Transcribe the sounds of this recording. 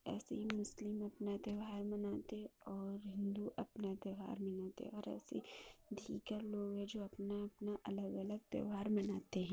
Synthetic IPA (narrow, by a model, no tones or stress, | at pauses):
ɛ̰ːsḛɦimʊslɪmɐpnad̪ɐʋɦaːɾmɐnaːt̪eɔːɾɦɪ̃nd̪uʔɐpnad̪jəʋɦa̰ːɾmɐnaːt̪ḛɔːɾɛ̰ːsḛd̪ʱiːkəɾloːɡɦɛ̃d͡ʒoːɐpnaɐpnaʔɐləɡɐləɡ̚d̪jə̰ʋɦaːɾmɐnaːt̪eɦɛ̃ː